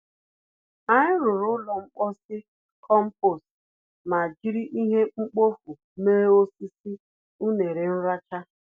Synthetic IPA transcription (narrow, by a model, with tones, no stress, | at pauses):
a˨ɲɪ˦ɾʊ˨ɾʊ˦lɔ˨ŋ͡m̩˦k͡pɔ˦sɪ˦ | kʰɔ˦m̩˦po˨s | ma˨d͡ʒi˦ɾi˦ʔi˦ɦe˦ŋ͡m̩˦k͡po˦fu˨ | meː˦o˦si˦si˦ | u˦ne˨ɾe˨n̩˦ɾa˦t͡ʃa˦